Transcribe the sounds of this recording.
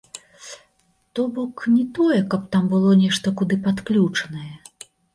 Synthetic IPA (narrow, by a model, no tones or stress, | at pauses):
t̪ɔbɔknʲit̪ɔjɛkɐp̚t̪ambɨlˠɔnʲɛʂt̪ɐkud̪ɨpat̪klʲut͡ʂɐnɐjɛ